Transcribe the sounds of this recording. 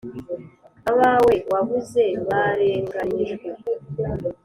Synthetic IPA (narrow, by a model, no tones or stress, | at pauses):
aβawe̞waβuze̞βaɾe̞ːŋɡaɲeʒɡe